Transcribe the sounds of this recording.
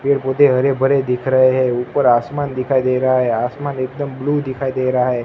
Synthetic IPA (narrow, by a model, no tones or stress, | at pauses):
peɽpot̪eɦəɾebʱəɾed̪ikʰɾəɦeɦeupəɾasmand̪ɪkʰaid̪eɾəɦaɦeasmanek̚d̪əmblud̪ikʰaid̪eɾəɦaɦe